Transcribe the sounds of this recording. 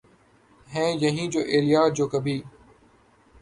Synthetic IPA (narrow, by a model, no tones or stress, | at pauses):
ɦẽːjɐɦĩːd͡ʑoːʔeːlijaːd͡ʑoːkəbʱiː